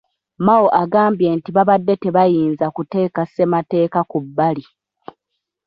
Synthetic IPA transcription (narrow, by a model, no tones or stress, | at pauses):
mawoʔaɡaːmbje̞ntiβaβadːe̞te̞βajiːnzakute̞ːkasemate̞ːkakubːali